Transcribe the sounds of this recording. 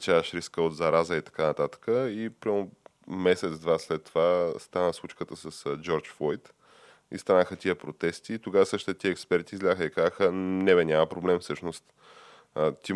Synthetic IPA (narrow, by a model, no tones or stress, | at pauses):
t͡ʃaʃɾiskəod̪zɐɾazəit̪ɐ̥kanɐt̪at̪ə̥kəipɾamomɛsɛt̪d̪vaslɛt̪ːovast̪anəslˠut͡ʃkət̪əsəsd͡ʒɔɾt͡ʃfɔjt̪ | ist̪anəxət̪iəpɾot̪ɛst̪iːt̪oɡavəsɤʃt̪it̪ɛt̪iəːkspɛɾt̪iːzlʲaxəikazəxənɛbɛnʲamɐpɾoblɛmfsɤʃnost̪ | t̪i